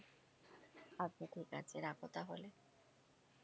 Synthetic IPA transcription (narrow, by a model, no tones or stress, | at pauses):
ap̚niʈʰika̰t͡ɕʰeɾakot̪aɦole